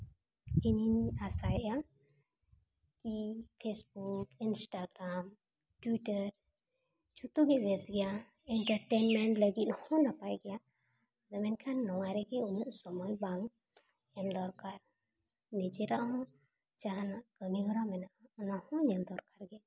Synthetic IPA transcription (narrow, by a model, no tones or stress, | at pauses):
ininasajʔa | kipʰesbukinsʈaɡɾam | ʈwiʈəɾ | t͡ʃut̪uɡɛbɛsɡɛja | ɛɳʈəɾʈɛnmɛɳʈləɡit̪hɔ̃napajɡɛja | d̪ɛmɛnkʰanːɔwaɾɛkɛunuʔsɔmɔjbaŋ | ɛmd̪ɔɾkaɾ | nid͡ʒɛɾaʔɦɔ̃ | t͡ʃaɦanaʔkəniɡɔɾamɛnaʔɔnahɔ̃ɲɛmd̪ɔɾkaɾɡɛja